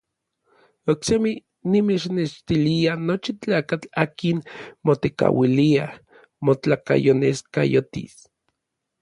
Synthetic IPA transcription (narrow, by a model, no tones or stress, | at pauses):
oksemi | nimet͡ʃneʃt̪ilianot͡ʃit͡ɬaːkat͡ɬaːkinmot̪eka̰wiliah | mot͡ɬaka̰joneska̰jot̪ḭs